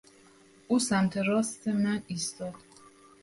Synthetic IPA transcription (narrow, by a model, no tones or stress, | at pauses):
ʔuːsæmt̪ʰeɾɒːst̪ʰemæniːst̪ɒːd̪̥